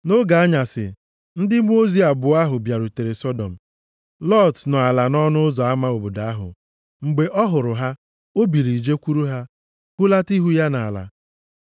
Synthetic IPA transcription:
no˦ɡa˨a˦ɲa˨sɪ̰˨ | n̩˦dɪ˦m˦o˦zi˦a˨bʊ˨a˦ɦʊ˨bja˨ɾʊ˨te˨ɾe˨sɔ˦dɔ˨m̩˨ | lɔ˦˨tnɔ˨a˨la˨nɔ˦nʊ˦ʊ˦zɔ˨a˦ma˦o˨bo˨da˨a˦ɦʊ̰˨ | ŋ͡m̩˨ɡ͡be˨ʔɔ˦ɦʊ˨ɾʊ˨ɦa˦ | o˦bi˨ɾi˨d͡ʒe˦kʷu˦ɾu˦ɦa˦ | kʊ˦la˦ti˦ɦu˦ja˦na˨la̰˨

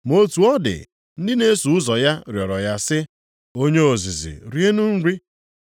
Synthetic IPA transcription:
mo˦tu˨ɔ˦dɪ̰˨ | n̩˦dɪ˦ne˦su˨ʊ˦zɔ˨ja˦ɾjɔ˨ɾɔ˨ja˦sɪ˦ | o˦ɲe˦o˨zi˨zḭ˨ɾje˦nu˦n̩˦ɾi˦

